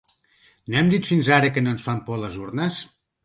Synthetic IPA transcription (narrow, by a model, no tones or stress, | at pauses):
noɛmd̪it̪finzaɾəkənonsfampɔləzuɾnəs